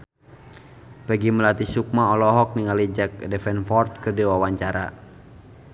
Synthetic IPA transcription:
pɛɡiməlat̪isuk̚maɔlɔɦɔk̚niŋalid͡ʒɛk̚dɛfɛnfɔrt̪̚kɨrdiwawaɲt͡ʃaɾa

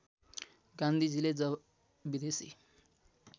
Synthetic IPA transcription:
ɡãnd̪ʱid͡ziled͡zʌ | bid̪esḭ

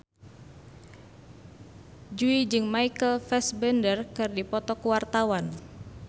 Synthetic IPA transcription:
d͡ʒuid͡ʒɨŋmaikəlfɛsbɛndərkɨrdipɔt̪ɔkuwart̪awan

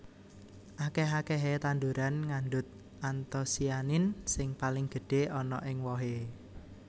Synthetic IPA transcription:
ʔakeɦakeɦet̪and̪uɾanŋanɖʊt̪̚ | ʔant̪ɔsianɪnsɪŋpalɪŋɡ̥ə̤ɖ̥e̤ɔnɔ̰ʔɪŋwɔɦe

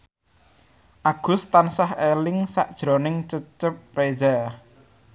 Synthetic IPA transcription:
ʔaɡ̥ʊ̤st̪ansahelɪŋsa̰ʔd̥ʒ̥ɾonɪŋt͡ʃət͡ʃəp̚reza

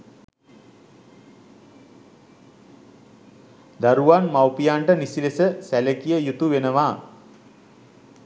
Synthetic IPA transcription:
d̪aɾuʋanmawpijaɳʈənisilesəsæləkijəjut̪uʋenəʋaː

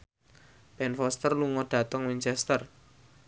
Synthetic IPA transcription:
b̥ɛnfɔst̪ərluŋɔɖ̥a̤t̪əŋwiɲt͡ʃɛst̪ər

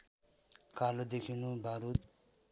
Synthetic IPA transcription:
kalod̪ekʰinubʱaɾut̪

